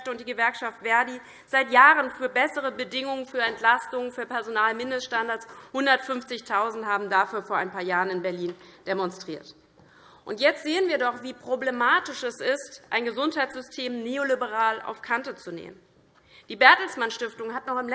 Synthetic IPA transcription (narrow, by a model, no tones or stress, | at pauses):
ftəʊnt̚d̥iːɡəvɛɐkʃaftv̥ɛɐdiː | z̥aɪtjaːʁənfyːɐbɛsəʁ̞əbədɪŋʊŋənfyːɐɛntlastʊŋənfyːɐpɛɐzonaːlmɪndəstʃtandaɐt͡shʊndɐtfʏmft͡sɪçtʰaʊzn̩thaːbm̩dafyːɐfoːɐʔaɪnpʰaːɐjaːʁənɪnbɛɐliːnd̥emɔnstʁ̥iːɐt | ʔʊntjɛt͡stz̥eːənviːɐdɔχv̥iːpʁ̥oblemaːtɪʃɛsɪstʔa̰ɪnɡəzʊnthaɪtt͡sz̥ʏstʰeːmneːolibəʁ̞aːlʔa̰ʊfkʰantət͡sunḛːmə̰n | d̥iːbɛɐtl̩smanʃtɪftʊŋɦatnɔχɪml